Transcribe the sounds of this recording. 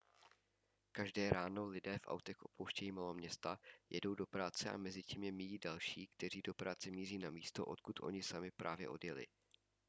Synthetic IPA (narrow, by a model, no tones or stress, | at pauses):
kaʒdɛːɾaːno̞lɪdɛːfʔa̰wt̪ɛxʔo̞̰powʃcɛjiːmalomɲɛst̪ajɛ̰do̞wdo̞pɾaːt͡sɛʔa̰mɛzɪciːmjɛmɪjiːdalʃiːkt̪ɛr̝iːdo̞pɾaːt͡sɛmiːr̝iːnamiːst̪o̞̰ʔo̞̰t̪kut̪ʔo̞̰ɲɪsamɪpɾʔa̰ːvjɛ̰ʔo̞̰djɛlɪ̰